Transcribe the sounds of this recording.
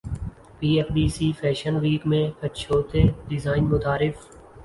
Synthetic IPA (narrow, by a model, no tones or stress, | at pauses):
piːeːfɖiːsiːfʰɛːʃənʋiːkmẽːkəʃʰoːt̪eːɖɪzaːɪnmʊt̪aːɾɪf